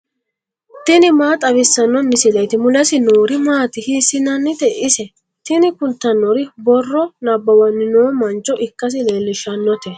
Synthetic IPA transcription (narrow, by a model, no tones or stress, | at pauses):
t̪ɪnɪmaːt̪ʼɐbɪsːɐnːɔmɪsɪlɐjt̪ɪmʊlɐsɪnoːɾɪmaːt̪ɪhiːsːɪnɐnːɪt̪ɛʔɪsɛ | t̪ɪnɪkʊlt̪ːɐnːɔɾɪbɔrːɔnɐbːɐwɐnːɪnoːmɐnt͡ʃːɔʔɪkːɐs̬ɪleːlːɪʃɐnːɔt̪ɛ